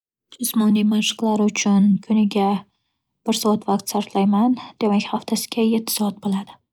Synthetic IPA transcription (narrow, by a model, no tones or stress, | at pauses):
d͡ʒʊsmɒnimaʃɨ̥qlˠaɾʊt͡ʃʰʊnkʰʊnɪɡʲa | b̥ɪɾsɒat̪vaq̚t̪saɾflajmand̪̥e̞makʲhaft̪ʰasɪ̥ɡʲajet̪ʰːɪ̥sɒat̪̚bolˠad̪̥ɪ